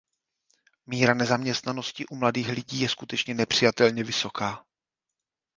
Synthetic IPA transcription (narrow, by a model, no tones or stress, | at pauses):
miːɾanɛzamɲɛst̪nano̞scɪʔumladiːxlɪɟiːjɛskut̪ɛt͡ʃɲɛnɛpr̝̥ɪjat̪ɛlɲɛvɪso̞kaː